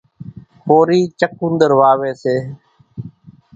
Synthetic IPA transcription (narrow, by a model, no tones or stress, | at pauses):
poːɾiːt͡ʃək̚ũnd̪əɾʋaːʋeːseː